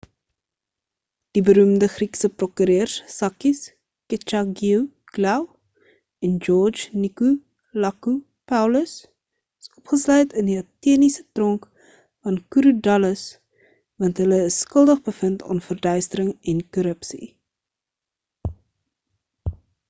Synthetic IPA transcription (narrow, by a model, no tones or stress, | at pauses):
d̥ibəɾumdəχriksəprɔkyɾøːrssɐkis | kət͡ʃɑɡiw | ɡlɛw | ɛnd͡ʒɔrd͡ʒniku | lɐku | pɐwləs | əsɔpχəslœɥtəndiɐtiənisətrɔŋk | fɐnkuɾudɐləs | vɐntɦələəsːkəlˠdəχbəfəntɑ̰nfərdœɥstəɾəŋɛnkɔɾəpsḭ